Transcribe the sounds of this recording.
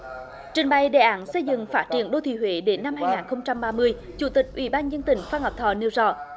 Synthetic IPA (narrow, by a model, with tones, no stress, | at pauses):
t͡ɕï˨˩ŋ̟ɓa˧˩jɗḛ˧˨˩ʔaː˨˦nsə˧jzɨ̰˧˨ŋfaː˦˥t̚t͡ɕḭ˧˩ənɗo˧t̪ʰḭ˧˩ɦwe˨˦ɗe˨˦nːa˧mhaː˧jŋaː˨˩nxə˧wŋ͡mt͡ɕa˧mɓaː˧mɨ˧əj | t͡ɕu˧˩t̪ï˨˩k̚ʔwḭ˧˩˦ɓaː˧nzə˧ənt̪ï˧˩˦ŋ̟faː˧nhɔ˨˩k͡p̚t̪ʰɔ˧˩ni˧əwzɔ̰˧˩˨